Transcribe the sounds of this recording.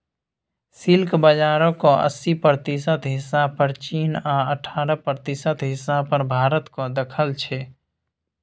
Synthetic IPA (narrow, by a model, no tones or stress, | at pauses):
sɪlkbəd͡ʒaːɾõkoʔə̰sːipɾət̪isət̪ɦɪsapəɾt͡ʃiːnaəʈʰaːɾəpɾət̪isət̪ɦɪsapəɾbʱaːɾət̪kod̪əkʰəlt͡ʃʰɛ